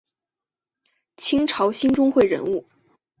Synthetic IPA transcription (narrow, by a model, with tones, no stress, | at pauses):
t͡ɕʰi˥ŋʈ͡ʂʰɑ˧˥ʊɕi˥nʈ͡ʂʊ˥ŋxwe˥˩ɪɻə̰˧˥nu˥˩